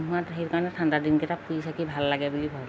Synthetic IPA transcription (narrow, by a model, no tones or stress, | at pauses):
ɦuatɦekaɹnɛtʰandadinkɛtapuisakibʱalːaɡabulibʱɔ